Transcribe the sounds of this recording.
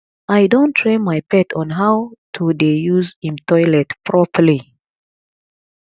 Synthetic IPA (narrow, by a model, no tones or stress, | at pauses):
ajdõntʰɹẽnmajpɛtʰɔ̃nɦawtʰudejuzĩmtʰɔjlɛtpʰɹɔpəli